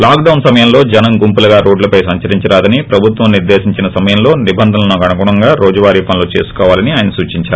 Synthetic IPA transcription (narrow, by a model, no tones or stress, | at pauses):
laːkɖɐwnsɐmɐjɐmlo̞ːd͡ʒɛnɐŋɡumpulɐɡaːɾoːɖlɐpɐjsɐɲt͡ʃɐɾiɲt͡ʃɐɾaːd̪ɐnipɾɐbʱut̪ʋɐmniɾd̪e̞ːsiɲt͡ʃinɐsɐmɐjɐmlo̞ːnibɐnd̪ʱɐnɐnoɡɐnɐɡuɳɐŋɡaːɾoːd͡ʒɐʋaːɾiːpɐnloːt͡ʃe̞ːsu̥kɔːʋaːlɐniaːjɐnɐsuːt͡ʃiɲt͡ʃaːɾu